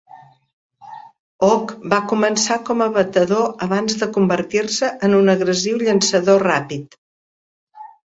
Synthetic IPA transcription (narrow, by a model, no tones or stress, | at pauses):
ɔkbakumənsakɔməβət̪əðoəβanzðəkumbərt̪irsəʔənunəɣɾəziwʎənsəðorapit̪